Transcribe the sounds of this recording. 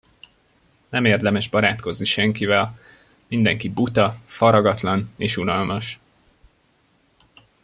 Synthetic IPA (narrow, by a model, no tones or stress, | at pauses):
nɛmeːrd̪ɛmɛʒbɒɾaːt̪ko̞zniʃɛŋkivɛl | mind̪ɛŋkibut̪ɒfɒɾɒɡɒt̪lɒneːʃunɒlmɒʃ